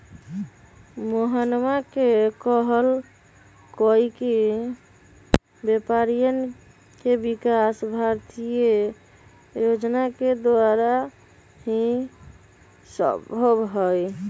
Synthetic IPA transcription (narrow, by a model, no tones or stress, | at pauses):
moɦanmakekɔɦəl | kɔike | bepaɾijən | kebikasbʱaɾt̪ije | jod͡ʒnaked̪aɾa | hĩ | sə̰bʱobɦɔj